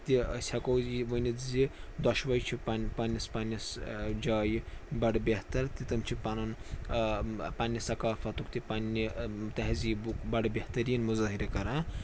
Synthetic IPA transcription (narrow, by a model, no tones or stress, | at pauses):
t̪isʰʲɐkowziʋɐnizid̪ɐʃʋɐjt͡ʃʰipanpanːispanisd͡ʒaːjibɐɽbʲeht̪ɐɾt̪it̪ɐmt͡ʃʰipɐnɐn | panʲːisɐkaːfʰɐt̪ukt̪ipanːit̪ɐɦzibukbɐɽbʲeht̪ɐɾiːnmuzɐːɦiɾɐkɐɾãː